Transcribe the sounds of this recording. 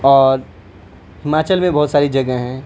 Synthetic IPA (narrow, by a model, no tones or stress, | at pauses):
ɔːɾ | hɪmaːt͡ʃəlmẽbɔɦʊt̪saːɾid͡ʒɐɡəɦɛ̃